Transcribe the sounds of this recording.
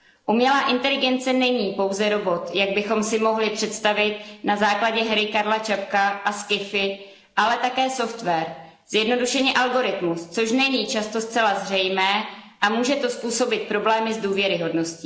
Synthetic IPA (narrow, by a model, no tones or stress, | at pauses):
ʔumɲɛlaːʔɪnt̪ɛlɪɡɛnt͡sɛnɛɲiːpo̞wzɛɾo̞bo̞t̪jaɡ̚bɪxo̞msɪmo̞ɦlɪpr̝̥ɛt̪st̪avɪt̪nazaːklaɟɛɦɾɪkaɾlat͡ʃapkaʔaskɪfɪ | ʔalɛt̪akɛːso̞ft̪vɛːɾ | z̥jɛdno̞duʃɛɲɛʔalɡo̞ɾɪt̪must͡so̞ʃnɛɲiːt͡ʃast̪o̞stt͡sɛlazr̝ɛjmɛːʔamuːʒɛt̪o̞spuːso̞bɪt̪̚pɾo̞blɛːmɪzduːvjɛɾɪɦo̞dno̞sciː